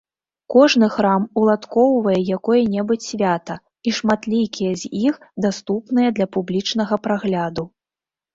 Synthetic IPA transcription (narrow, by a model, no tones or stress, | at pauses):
kɔʐnɨxɾamulˠat̪kɔwvɐjɛjakɔjɛnʲɛbɨt͡sʲsʲvʲat̪ɐ | iʂmat̪lʲikʲijɛzʲjixd̪ast̪upnɨjɐd̪lʲɐpublʲit͡ʂn̪ɐɣɐpɾaɣlʲad̪u